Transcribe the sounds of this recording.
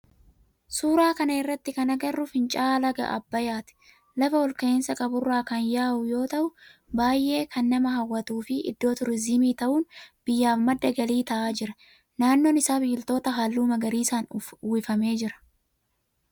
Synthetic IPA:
suːɾaːkɐnɐɪrːɐt̪ːɪkɐnɐɡɐrːʊfɪnt͡ʃʼaːlɐɡɐ̰ʔɐ̰bːɐjaːt̪ɪ̥ | lɐfɐwɔlkeːnsɐkʼɐbʊrːaːkɐnjaːhʊjo̞ːt̪ɐʔʊbaːjːe̞ːkʰɐnːɐmɐɦɐwːɐt̪uːfɪʔɪ̰d̪ːo̞ːt̪ʊɾɪzɪmiːt̪ɐʔuːnb̥ɪjːaːfmɐd̪ːɐɡɐliːt̪ɐʔaːd͡ʒɪɾɐ | naːnːoːnɪsaːbiːlt̪o̞ːt̪ɐɦaːlːuːmɐɡɐɾiːsaːnuːɪfɐme̞ːd͡ʒɪɾɐ̥

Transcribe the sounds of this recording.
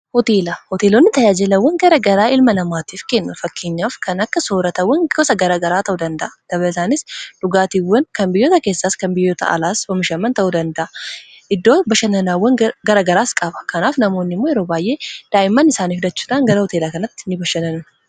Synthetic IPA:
hɔt̪eːlɐhɔt̪eːlonːɪt̪ɐjaːd͡ʒɛlɐwːɐŋɡɐɾɐɡɐɾaːʔɪlmɐlɐmaːt̪iːfke̞ːnːʊfɐkːeːɲːaːfkʰɐnɐkːɐso̞ːɾɐt̪ɐwːɐŋkɔsɐɡɐɾɐɡɐɾaːt̪ɐʔud̪ɐnd̪ɐʔɐd̪̥ɐβɐlsaːnɪsᶑʊɡaːt̪iːwːɐnkɐmbɪjːoːt̪ɐkeːsːaːskɐnbɪjːot̪ʰɐ̰ʔɐ̰laːswɐmɪʃɐmːɐnt̪ɐʔud̪ɐnd̪ɐʔɐ | ʔɪd̪ːoːbɐʃɐnɐnaːwːɐŋɡɐɾɐɡɐɾaːskʼɐbɐ̥kɐnaːfnɐmo̞ːnːɪmːoːjɛɾoːbaːjʔe̞ːd̪̥aːjɪmːɐnɪsaːniːhʊd̪ɐt͡ʃːuːᶑaːŋɡɐɾɐhɔt̪eːlakɐnɐt̪ːɪ̥nɪbɐʃːɐnɐnʊ

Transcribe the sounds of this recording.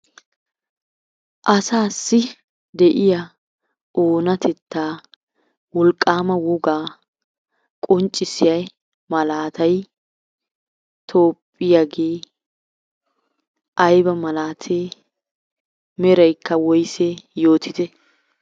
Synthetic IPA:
ʔɐsaːsːɪ | d̪ɛʔɪjɐ | ʔoːnɐt̪ʰɛt̪ːaː | wɔlkʼːaːmɐwɔɡaː | kʼɔnt͡ʃʼːɪsɪjɐj | mɐlaːt̪ɐj | t̪ʰo̞ːpʼːɪjaɡeː | ʔɐjbɐmɐlaːt̪ʰeː | mɛɾɐjkːɐwɔjseːjoːt̪ɪt̪ɛ

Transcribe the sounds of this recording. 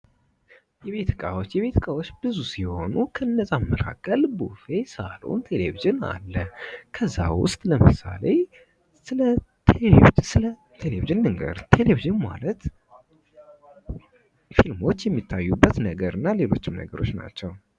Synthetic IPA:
jɛβe̞t̪ʰɨkʼawo̞t͡ʃːjɛβe̞t̪ʰɨkʼawot͡ʃːbɨzusihho̞nukʰəɨnːəsʼamːəɾakʼəlbufesalṵnt̪ʰe̞lḛviʒɪna̰lːəkʰəzːa̰wʊ̰st̪ʼləmɨsale | sɨlət̪ʰeleivisɨlə | t̪ʰe̞leviʒɨnːɨŋɡə̰ɾt̪ʰe̞leviʒɨnma̰lət̪ | filmo̞t͡ʃːjɛmːit̪ʰːajːubːət̪nəɡəɾɨnːale̞lo̞t͡ʃːɪmnə̰ɡəɾo̞t͡ʃːna̰t͡ʃːɛw

